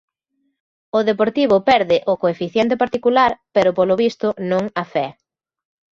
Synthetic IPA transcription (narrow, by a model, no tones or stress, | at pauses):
ʊðepoɾt̪iβʊpɛɾðɪʔʊkoefiθjɛnt̪̬epaɾt̪ikulaɾpeɾʊpolʊβist̪ʊnõŋafɛ